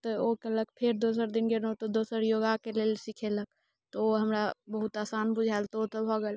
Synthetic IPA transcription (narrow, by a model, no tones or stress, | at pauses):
t̪ɔokeləkpʰeɾd̪os̬əɾd̪inɡeɾot̪od̪osəɾjoɡakelelsikʰelək̚ | t̪ɔoɦəmɾabəɦut̪aːsanbud͡ʒʱaelt̪ɔot̪ɔbʱɔɡɛl